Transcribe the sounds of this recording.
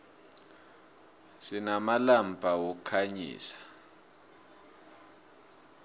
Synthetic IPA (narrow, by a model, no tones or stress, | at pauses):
sinamalambʱawokʰaɲḭːsḁ